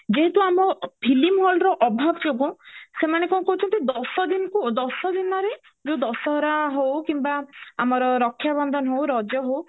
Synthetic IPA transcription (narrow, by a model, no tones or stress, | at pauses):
d͡ʒeɦet̪uamɔpʰilimɦɔlɾɔʔɔbʱabɔd͡ʒobusemanekɔ̃kɔɦut͡ʃʰɔnt̪id̪ɔsɔd̪inɔkud̪ɔsɔd̪inɔɾe | d͡ʒewd̪ɔsɔɦɾaɦowkimbaamɔɾɔɾɔkʰːjabɔnd̪ʱɔnɔɦowɾɔd͡ʒjɔɦow